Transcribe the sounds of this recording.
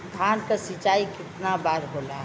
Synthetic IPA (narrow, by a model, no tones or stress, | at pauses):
d̪ʱaːnkasit͡ʃaːikɪt̪nabaːɾɦoːla